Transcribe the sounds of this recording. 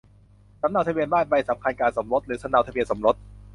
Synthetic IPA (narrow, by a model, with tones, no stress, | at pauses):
sa˨˩˦md̪a˧wt̪ʰa˧bi˧ənbaː˥˩nba˧jsa˩˦mkʰa˧nkaː˧nso˩˦mɾo˦˥t̪̚ɾɯː˩˦tsʰa˧nda˧t̪a˧bi˧ənso˩˦mɾo˦˥t̪̚